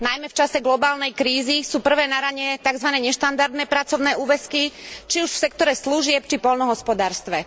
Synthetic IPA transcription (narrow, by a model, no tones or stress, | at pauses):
najmɛft͡ʃasɛɡlɔbaːlnɛjkɾiːzisuːpr̩ʋɛːnaɾaɲɛt̪aɡzʋanɛːɲɛʃt̪and̪aɾd̪nɛːpɾat͡sɔʊnɛːʔuːʋɛskit͡ʃiuʃfsɛkt̪ɔɾɛsluʒɪɛpt͡ʃipɔlnɔɦɔspɔd̪aːɾst̪ʋɛ